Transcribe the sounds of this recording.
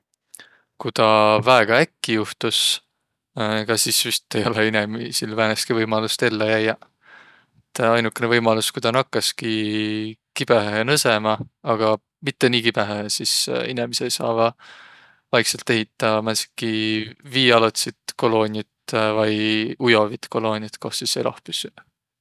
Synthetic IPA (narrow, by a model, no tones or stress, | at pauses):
kut̪ɑvæeɡ̥ɑækːijuht̪us | kɑsisjust̪ːe̞jo̞leinemisilvæːneskivɤjmɑlust̪e̞lːejæjːɑ | et̪ːˑɑjnukːˑenevɤjmɑluskujd̪ɑnɑkːɑski | kib̥eɦeenɤsemɑɑɡ̥ɑ | mit̪ːe̞niːkib̥eɦehesisinemisejsɑ̰ːvɑ | vɑjkselt̪ːˑe̞ɦit̪ːˑɑmænsi̥kːˑiviːɑlot̪sit̪ko̞lo̞ːnʲjɑt̪vɑjujo̞vit̪ko̞lo̞ːnʲjɑt̪ko̞ht̪sisejlɑ̰hpysy